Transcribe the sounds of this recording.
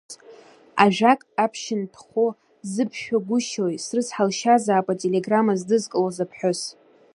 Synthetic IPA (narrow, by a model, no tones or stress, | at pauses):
aʒᶣakʼapʰʃɪntʰχo | zɨpʰʃᶣaɡʷʊʃojsrɨzħalʃazaːpʼatʼele̞ɡramazdɨzkʼɨlozapʰħʊs